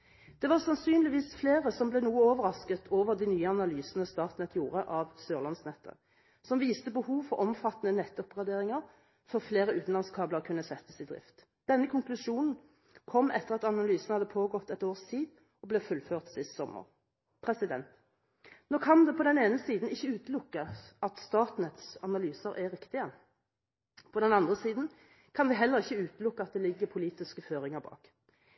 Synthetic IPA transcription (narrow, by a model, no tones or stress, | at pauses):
d̪̥ɛʋɑʁsɑnsyːnlɪʋiːsfleːʁəsɔmblɛnuːəoːʋəɾɑskət̪ʰoːʋəʁd̪inyːəɑnɑlyːsənəst̪ɑːt̪nɛt̪ʰjuːʁəʔɑʋsøːʁlɑnsnɛt̪ʰːə̰ | sɔmʋiːst̪əbəhuːʋfɔʁʔɔmfɑt̪ːənənɛt̪ːɔpɡɑd̪eːʁɪŋəʁ | fɔʁfleːʁəʉːt̪n̩lɑnskʰɑːbləʁkʰʉnːəsɛt̪ːəsɪd̪ʁɪ̰ft̪ | d̪̥ɛnːəkʰʊŋklʉʃuːnn̩ | kʰɔmːʔɛ̰t̪ːəʁɑt̪ɑnɑlyːsn̩hɑd̪ːəpʰoːɡɔt̪ːɛt̪oːʁst̪ʰiːd̪ | ɔblɛːfʉlføːʁt̪sɪst̪sɔmə̰ʁ | pʰʁɛsɪd̪ɛnt̪ | noːkʰɑnd̪ɛpʰɔd̪ɛneːnəsiːd̪n̩ɪçːəʉːt̪əlʊkːəɑt̪st̪ɑːt̪n̩ət̪sɑnɑlyːsəɾʔɛʁɪkt̪ɪə | pʰɔd̪ɛnɑnd̪ʁəsiːd̪n̩ | kʰɑnʋɪɦɛlːəʁɪçːəʉːt̪əlʊkːəɑt̪̚d̪ɛːlɪɡːəpʰʊliːt̪ɪskəføːʁɪŋəʁbɑ̰ːk